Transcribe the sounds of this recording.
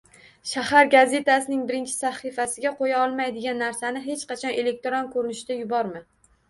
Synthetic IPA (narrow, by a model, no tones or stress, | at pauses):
ʃahaɾɡaze̞t̪ʰasɪnɪŋbɪɾɪnt͡ʃʰɪ̥saχifasɪɡʲaqʰojaɒlˠmajd̪ɪɡʲanːaɾsanɪɦe̞t͡ʃqɑt͡ʃʰɒnʔe̞le̞k̚t̪ɾɒnkʰɵɾɪnɪʃɪd̪̥ajʊbɒɾmɪ